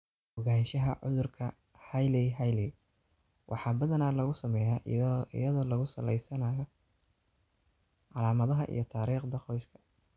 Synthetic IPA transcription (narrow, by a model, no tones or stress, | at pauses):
hʊɣaːnʃɐɦɐʕʊðʊrkʰɐ̰ | hɐjlɛɦajlɛ | wʔɑ̰ħɑːbɐðɐnaːlɐɣʊsɐmɛjaʔɪ̰jɐðɔːlɐɣʊsɐlɛjsɐnaːjɔ | ʕɑlaːmɐðɐɦɐʔḭjɞt̪ʰaːɾiːχd̪ɐqɔjskʰɐ̥